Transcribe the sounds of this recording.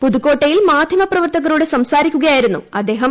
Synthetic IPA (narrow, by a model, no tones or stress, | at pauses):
puðukːo̞ːʈːɐjilmaːd̪ʱjɐmɐprɐʋɐrt̪ɐɣɐɾuɽesɐmsaːɾikʲːuɣɐjaːjiɾunːṵɐd̪ːe̞ːɦɐm